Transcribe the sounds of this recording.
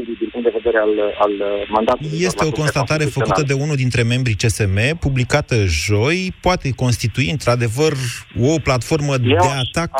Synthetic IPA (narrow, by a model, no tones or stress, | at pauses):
d̪id̪inmpuŋt̪d̪eve̞d̪e̞ɾealalmand̪at̪je̞st̪e̞o̞ko̞nst̪at̪aɾe̞fəkkut̪əd̪e̞unuld̪int̪ɾe̞me̞mbɾit͡ʃe̞se̞me̞publikat̪əʒo̞jpoat̪e̞ko̞nst̪it̪uiɨnt̪ɾad̪e̞vəro̞plat̪fo̞rməd̪e̞at̪ak